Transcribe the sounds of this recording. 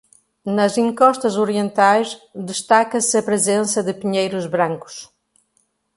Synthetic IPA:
nɐzĩŋkɔʃt̪ɐzoɾiẽnt̪ajzd̪ɨʃt̪akɐsɨɐpɾɨzẽnsɐðɨpiɲejɾuzβɾɐ̃ŋku̥ʃ

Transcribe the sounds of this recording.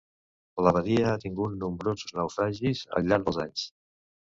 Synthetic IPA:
ləβəðiəat̪iŋɡut̪̚numbɾozuznəwfɾaʒizə̰ʎaɾd̪əlˠzaɲs

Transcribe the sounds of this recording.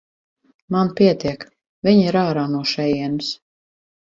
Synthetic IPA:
manpiɛt̪iɛk | viɲiɾaːɾaːnuɔʃɛjiɛns

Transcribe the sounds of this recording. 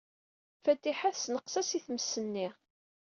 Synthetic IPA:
fæt̪ːiħæθsnəqsæsiθməsːənːiʁ

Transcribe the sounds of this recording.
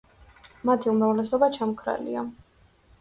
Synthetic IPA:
mat̪ʰiumɾavlɛsɔbat͡ʃʰamkʰɾa̰lḭa

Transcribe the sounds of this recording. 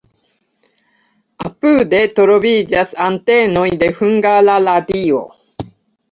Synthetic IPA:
apɯd̪et̪oɾobiːd͡ʒasant̪eːnoid̪ehɯ̟ŋɡalalat̪iːo̰

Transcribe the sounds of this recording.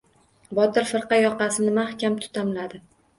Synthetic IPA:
bɒt̪ɪɾfɪɾqɑjɒqɑsɪnɪmahkʲʰamt̪ʰʊ̥t̪ʰamlad̪ɪ

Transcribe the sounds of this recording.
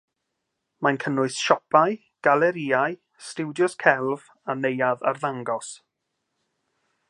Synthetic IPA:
mankʰənʊɨsʃɔpʰaj | ɡ̥alɛɾiːaj | stɪwdjɔskʰɛlˠv | anejaðarðaŋɡɔs

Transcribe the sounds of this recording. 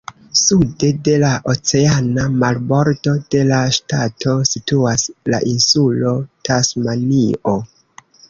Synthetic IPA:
sude̞de̞laʔot͡se̞anamalbo̞ɾdo̞d̥e̞laʃtatʰo̞situasla̰ʔinsulo̞tʰasmanio̞

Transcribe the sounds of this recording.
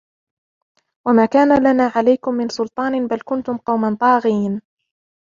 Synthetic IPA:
wamaːkaːnalanaːʕalajkʊmːɪnsʊlt̪ˤɑːnɪbalkʊnt̪ʊmqɑwmant̪ˤɑːɣiːn

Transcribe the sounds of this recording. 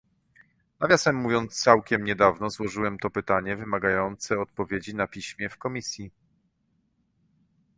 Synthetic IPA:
navʲjasɛmːuvʲjɔnt̪st̪sawkʲɛmɲɛd̪avnɔzwɔʐɘwɛmt̪ɔpɘt̪aɲɛvɘmaɡajɔnt̪sɛɔt̪̚pɔvʲjed͡ʑinapʲiɕmʲjɛfkɔmʲisʲji

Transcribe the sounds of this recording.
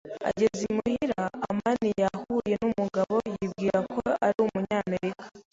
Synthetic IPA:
a̰ɟe̞zimuhiɾa̰ːmaninjahuːje̞numuɡaβo̞jibɡiːɾakʰo̞aɾiumuɲaːme̞ɾikḁ

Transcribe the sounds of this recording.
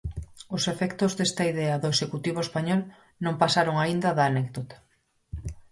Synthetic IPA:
ʊsefɛkt̪ozðest̪ɐiðɛɐðʊesʃekut̪iβ̞oespaɲɔl | nõŋpasaɾoŋaind̪ɐðaːnɛk̚ðot̪ḁ

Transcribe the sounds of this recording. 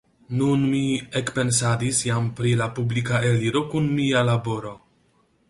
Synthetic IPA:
nunmiekpe̞nsad̪isjampɾilapublikaeliɾo̞kunmialabo̞ɾo̞

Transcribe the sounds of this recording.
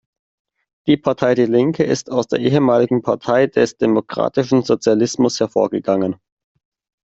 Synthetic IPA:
d̥iːpʰaɐtʰaɪdiːlɪŋkʰəʔɪ̰staʊsd̥eːɐʔeːɦəmaːlɪɡŋ̩pʰaɐtʰaɪd̥ɛsd̥emokʁ̥a̰ːtɪʃn̩zot͡sjalɪsmʊshɛɐfo̰ːɐɡəɡaŋən

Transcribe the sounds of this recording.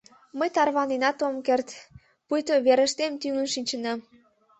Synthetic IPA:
məjt̪ɑrβɑnenɑt̪omkert̪ | pujt̪oβeɾə̆ʃt̪emt̪yŋənʃinʲt͡ɕə̆nɑm

